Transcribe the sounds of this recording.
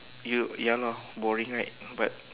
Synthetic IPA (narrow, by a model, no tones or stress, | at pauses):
jujalɔbɔɹĩŋɹaɪt̚bat̚